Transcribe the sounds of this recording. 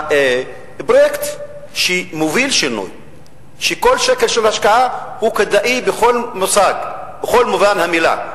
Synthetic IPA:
bʁekt̪ | ʃemovilʃinṵj | ʃeko̞lʃekelʃelhaʃkaʔahuked̪aʔibexolmosaɡbeχolmuvanhamila̰

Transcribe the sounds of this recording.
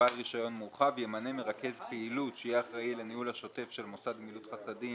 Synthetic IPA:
alʁiʃajo̞nmuʁχavjemaneme̞ʁake̞zpeilutʃejiaχʁailenihulhaʃo̞te̞fʃe̞lmosad̪milutχasadi

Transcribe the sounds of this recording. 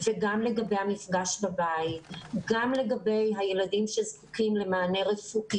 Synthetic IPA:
veɡamle̞ɡabe̞jhamifɡaʃbabait̚ɡamle̞ɡabe̞jɦaje̞ladimʃezku̥kimle̞maːne̞ʁefuki

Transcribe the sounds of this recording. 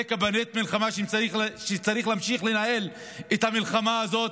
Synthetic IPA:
ekabanet̪̚milχamaʃmiχʃet͡saʁiχlaːmʃiχlenae̞l | et̪hamilχamaːzo̞t

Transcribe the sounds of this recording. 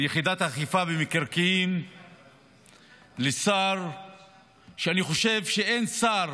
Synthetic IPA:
jeχid̪at̪aːχifabemekeʁkiim | lesaʁ | ʃeaniχo̞ʃe̞vʃeensaʁ

